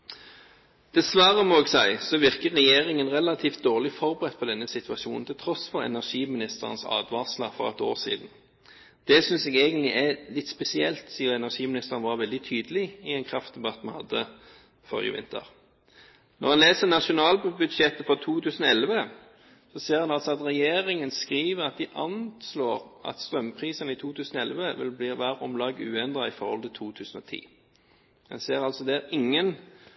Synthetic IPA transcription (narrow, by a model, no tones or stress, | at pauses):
d̪̥ɛsʋɑːʁəmɔːɛɡsæɪsɔʋɪʁkəʁːɛjeːʁɪŋənʁɛlɑt̪ʰiːft̪̚d̪oːʁlɪfɔʁbəʁɛt̪̚ːpʰɔd̪ɛnːəsɪt̪ʰʋɑʃuːnn̩t̪ʰɪlt̪ʰʁɔsfɔʁɛ̰næʁʂiːmɪnɪst̪əʁə̰nsɑ̰ːd̪ʋɑsləfɔ̰ʁɛ̰t̪o̰ːʁsḭːd̪n̩ | d̪̥ɛsʏnsɛɡeːɡənt̪lɪʔælɪt̪spɛsɪɛlt̪siːəʁɛnæʁʂiːmɪnɪst̪əʁənʋɑʁʋɛld̪ɪt̪ʰyːd̪əlɪɪɛnkʰʁɑft̪̚d̪ɛbɑt̪ːmɑnhɑ̰d̪ːə | fɔ̰ʁɪ̰ə̰ʋɪ̰nt̪ʰə̰ʁ | nɔ̰ʁhɑnleːsənɑʃʊnɑːlbʉd̪ʃɛt̪ːəfɔʁt̪ʰuːt̪ʰʉːsənɔɛlʋə | sɔseːʁhɑnɑlsɔɑt̪ʁɛjeːʁɪŋənskʁiːʋəʁɑt̪̚d̪ɪʔɑnsloːʁɑ̰t̪st̪ʁœmpʰʁiːsənəɪt̪ʰuːt̪ʰʉːsənɔɛlʋəʋɪ̰lbliːʋæːɾəɔmlɑːɡʉːɛnd̪ʁɑɪfɔʁhɔ̰lt̪ɪt̪ʰuːt̪ʰʉːsən̩ɔt̪ʰḭː | ɛ̰nseːʁɑlsɔd̪ɛæʁɪŋːən